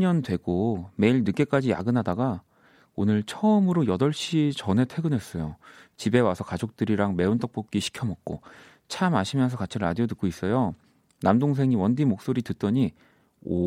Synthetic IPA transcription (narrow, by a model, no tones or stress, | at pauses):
ʌndwe̞ɡ̥ome̞iɭnɯk͈e̞k͈ad͡ʑija̰ɡɯnɦadaɡa | onɯɭt͡ɕʰʌɯmɯɾojʌdʌɭɕ͈it͡ɕʌne̞tʰwe̞ɡɯnwes͈ʌjot͡ɕibe̞wasʰʌkad͡ʑok̚t͈ɯɾiɾaŋme̞ont͈ʌk̚p͈ʌp̚k͈iɕʰi̥kʰʌmʌk̚k͈o̰ | t͡ɕʰamaɕʰimjʌnsʰʌkat͡ɕʰiɾa̰dionɯk͈ois͈ʌjo | namdoŋs̬ʰe̞ŋiwʌndimok̚s͈oɾitɯt̚t͈ʌɲi | o̰